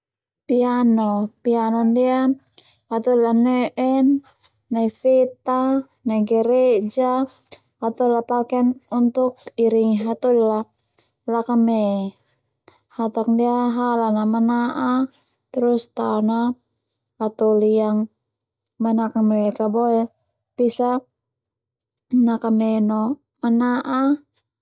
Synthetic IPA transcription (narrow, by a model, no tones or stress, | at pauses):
pianɔpianɔndia | hat̪ulanɛʔɛnː | aifɛt̪a | naɡɛɾɛd͡ʒaː | t̪ɔlapakɛnunt̪uk̚iɾiŋɦat̪ɔdla | lakamɛ | hat̪ak̚diaɦalanamanaʔa | t̪ɾust̪aɔna | at̪ɔliaŋ | manakamɛkaboɛ | pisa | nakamɛnɔ | manaʔa